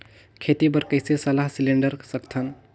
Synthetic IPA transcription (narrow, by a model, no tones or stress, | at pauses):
kʰet̪ibəɾkəɪsesəlaɦsiliɳɖəɾsəkt̪ʰən